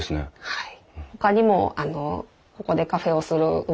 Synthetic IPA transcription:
sɨnḛhai | ho̞kaɲ̟imo̞̰ano̞ | ko̞ko̞d̪e̞kaɸe̞o̞sɨɾɯ̟ɯ

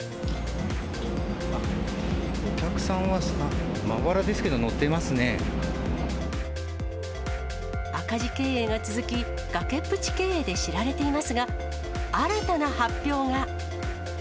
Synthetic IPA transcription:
a | okʲakɯ̟̥sãɰ̃βasa | ma̰βaɾad̪e̞sɨ̥ke̞d̪o̞no̞t̪ːemasɨne̞ | akaʑike̞ːeːɡat͡sɨzɨkʲi | ɡ̥ake̞pːɯ̟t͡ɕi̥ke̞ːeːd̪e̞ɕiɾaɾe̞t̪e̞imasɨɡa | aɾat̪anahapʲːo̞ːŋa

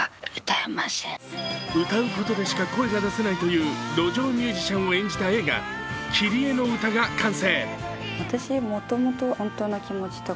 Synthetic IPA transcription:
ɯt̪aemasẽɯ̟t̪aɯ̟ko̞t̪o̞d̪e̞ɕi̥kako̞e̞ɡad̪asenait̪o̞jɯ̟ːd̪o̞ʑo̞ːmʲɨːʑiɕãɰ̃o̞ẽ̞ɲ̟d͡ʑit̪ae̞ːɡa̰ | kʲʰiɾʲie̞no̞ɯ̟t̪aɡakʰãɰ̃se̞ːβat̪aɕimo̞t̪o̞mot̪o̞hõnt̪oːnakʲimo̞t͡ɕi̥t̪o

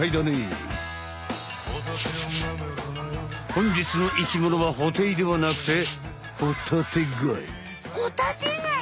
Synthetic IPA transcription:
aid̪anḛ | hõɲ̟d͡ʑit͡sɨno̞ʔikʲimonoβaɦot̪eid̪e̞βanakɯ̟̥t̪e̞ | hot̪ʰat̪eɡɯaḭ | kot̪aeɡa

